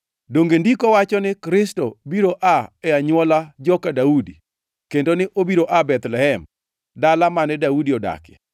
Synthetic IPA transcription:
doŋɡendikɔwat͡ʃɔnɪkɾɪstɔbiɾoʔaɛaɲwɔlad͡ʒɔkadaudi | kendonɪʔobiɾoʔabɛt̪lɛhɛm | dalamanɛdaudiɔda̰kɪ̰

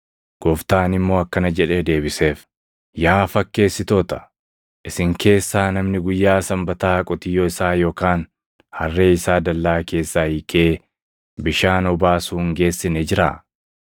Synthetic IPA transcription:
ɡ̥ɔft̪aːnɪmːo̞ːɐkːɐnɐd͡ʒɛᶑe̞ːd̪e̞ːbɪse̞ːf | jaːfɐkːe̞ːsːɪt̪o̞ːt̪ɐ̥ | ʔɪsɪŋke̞ːsːaːnɐmnɪɡʊjːaːsɐmbɐt̪aːkʼɔt̪ɪjːoːɪsaːjo̞ːkaːn | hɐrːe̞ːɪsaːd̪ɐlːaːke̞ːsːahɪkʰeː | bɪʃaːnɔbaːsuːŋɡe̞ːsːɪnɛd͡ʒɪɾa̰ː

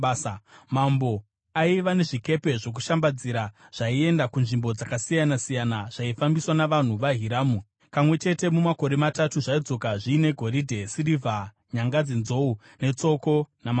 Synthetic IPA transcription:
mambo̞ | aiʋane̞ʐike̞pe̞ʐo̞k̬uʃambad͡ziɾaʐ̥aie̞ndakunʐimbo̞d͡zakasijanasijanaʐ̥aifambiswanaʋan̤uʋaɦiɾaːmu | pamwe̞t͡ʃe̞te̞mumako̞ɾe̞matatuʐaid͡zo̞kaʐiːne̞ɡʱo̞ɾidʱe̞sirivʱa | ɲaŋɡad͡zenzo̞u | ne̞t͡so̞ko̞nama

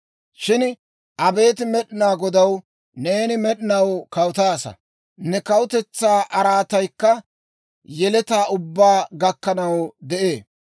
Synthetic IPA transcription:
ʃɪn | ʔɐbe̞ːt̪̬ɪmɛɗɪnaːɡɔd̪ɐw | ne̞ːnɪmɛɗɪnɐwkɐwʊt̪aːsɐ̰ | nɛkɐwʊt̪ɛt͡sːaːʔɐɾaːt̪ɐjkːɐ | jɛlɛt̪aːʔʊbːaːɡɐkːɐnɐwd̪ɛʔe̞ː

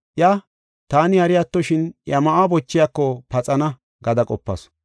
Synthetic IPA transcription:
ʔja | t̪aːnɪhɐɾɪjat̪ːɔʃɪnjɐmɐʔabɔt͡ʃːɪjɐkːɔpɐt͡sʼɐnɐ | ɡɐd̪ɐkʼɔpːɐ̰s

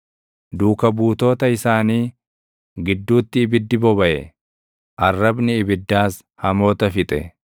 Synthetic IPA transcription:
d̪uːkɐbuːt̪o̞ːt̪ɐɪsaːniː | ɡɪd̪ːuːt̪ːɪːbɪd̪ːɪbɔbɐʔɛ̰ | ʔɐrːɐbnɪːbɪd̪ːaːs | hɐmo̞ːt̪ɐfɪt̪ʼɛ̰

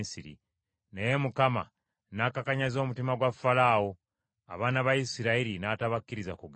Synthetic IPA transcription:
siɾḭ | nejemukama̰ | nakakaɲazo̞ːmutimaɡwafːalaːwo̞ | aβaːnaβajisiɾaiɾinataβakːiɾizakuɡ

